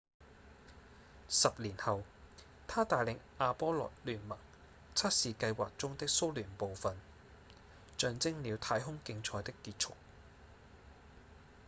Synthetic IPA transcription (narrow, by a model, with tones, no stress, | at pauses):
sɐ˨p̚liː˨˩nhɐ˨w | t̪ʰaː˥t̪aː˨jlɪ˨˧ŋʔaː˧pɔː˥lɔ̰˨t̚lyː˨˩nmɐ˨˩ŋ | t͡sʰɐ˥t̚siː˨˧kɐ˧jwaː˨k̚t͡sʊ˥ŋt̪ɪ˥k̚so˥wlyː˨˩npo˨wfɐ˨n | t͡ʃœː˨˧ŋt͡sɪ˥ŋliː˨˧wt̪ʰaː˧jɦʊ˥ŋkɪ˧ŋt͡ʃʰɔː˧jt̪ɪ˥kːiː˧t̚t͡ʃʰʊ˥k̚